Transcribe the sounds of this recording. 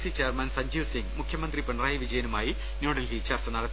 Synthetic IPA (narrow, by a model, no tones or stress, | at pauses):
sit͡ɕeːrmɐnsɐɲd͡ʑuːsiŋmukʰjɐmɐnd̪ripeɳɐraːjɐʋid͡ʑɐjɐnumaːji | noːɽɐlɦit͡ɕɐrsɐnɐɽɐt̪ː